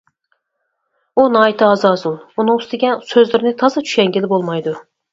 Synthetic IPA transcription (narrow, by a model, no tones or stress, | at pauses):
unɨɑjt̪ʰɨɑzɑːzulˠunɨŋust̪ɪɡʲɛnsøzlɪɾɪnɪt̪ʰɑzɨt͡ʃʰy̥ʃʲɛŋɡʲilɪbolˠmɑjd̪u